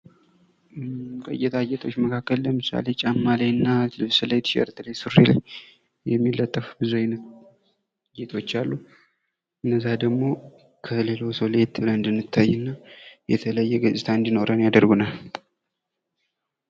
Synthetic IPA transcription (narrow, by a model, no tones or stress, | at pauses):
kʼojɛt̪ʰajet̪ʰo̞t͡ʃːməkʰakːəlləmɨsa̰le̞t͡ʃʼamːalajɨnːalɨβsɨləjd̪ʃə̰ɾt̪ʰlejsɨɾela̰j | jɛmːilːət̪ʼːəfbɨzunət̪ | jet̪ʰo̞t͡ʃːalːu | ɨnːəzːad̪əɡmo̞ | kʰəle̞lo̞səwle̞t̪bɨləɨnd̪ɨnːɨt̪ʰːajːɨnːajɛt̪ʰələjːɛɡət͡ʃʼɪt̪ʰaɨnd̪ino̞ɾənjad̪əɾɡunal